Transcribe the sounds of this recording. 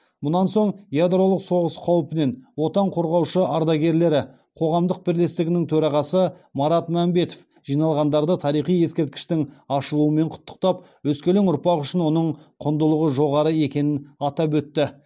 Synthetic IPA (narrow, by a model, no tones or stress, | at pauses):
mʊnɑnso̞ɴjad̪ɾo̞lˠəqso̞ʁəsqʰɑwəpɪne̞nwo̞t̪ɑɴqʰo̞ɾʁɑwʃəʔɑɾd̪ɑɡʲe̞ɾle̞ɾɪ | qʰo̞ʁɑmd̪əq̚bɪɾle̞st̪ɪɡʲɪnɪŋt̪ʰɵɾɑʁɑsə | mɑɾɑt̪mæmbe̞t̪o̥f | ʒ̥ijnɑlˠʁɑnd̪ɑɾd̪ət̪ʰɑɾijχije̞skʲe̞ɾt̪̚kʲɪ̥ʃt̪ɪŋɑʃəlˠuəme̞ɴqʰʊ̥t̪ːə̥q̚t̪ɑp | wɵskʲe̞leŋʊɾpɑqʏʃɪnwo̞nəɴqʰʊnd̪əlˠəʁəʒo̞ʁɑɾəe̞kʲe̞nɪnɑt̪ɑp̬wɵt̪ːɪ